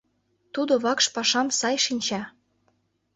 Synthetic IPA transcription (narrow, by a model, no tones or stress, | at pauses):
t̪ud̪ŏβɑkʃpɑʃɑmsɑjʃinʲt͡ɕɑ